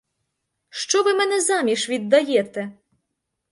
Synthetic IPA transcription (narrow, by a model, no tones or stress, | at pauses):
ʃt͡ʃɔʋɪmɛnɛzamʲiʃʋʲid̪ːɐjɛt̪ɛ